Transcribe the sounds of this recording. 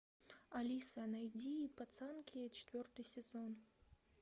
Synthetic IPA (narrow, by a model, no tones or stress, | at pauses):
ɐlʲisɐnɐjdʲiːpɐt̪sankʲʰit͡ɕʰɪ̥t̪ʲvʲort̪ɨjsʲɪzon